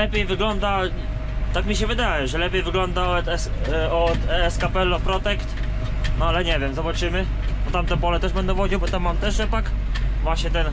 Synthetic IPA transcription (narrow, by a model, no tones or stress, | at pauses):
ɛpʲjejvɘɡlɔnd̪a | t̪akmʲiɕɛvɘd̪ajɛʐɛlɛpʲjejvɘɡlɔnd̪aɔt̪ɛ | ɔt̪ɛɛskapɛlɔpɾɔt̪ɛkt̪ | nɔalɛɲɛvʲjɛmzɔbat͡ʂɘmɘ | bɔt̪amt̪ɛbɔlɛt̪ɛʐbɛnd̪ɛvwɔd͡ʑiwbɔt̪amːamt̪ɛʂʐɛpak | vwaɕɲɛt̪ɛn